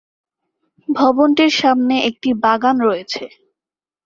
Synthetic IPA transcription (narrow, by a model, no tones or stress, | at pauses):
bʱɔbonʈiɾʃamneʔek̚ʈibaɡanɾɔet͡ɕʰe